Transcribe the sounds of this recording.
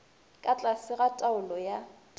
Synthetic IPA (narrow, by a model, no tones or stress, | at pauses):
kʼat͡ɬʼasɪɣatʼaʊlɔja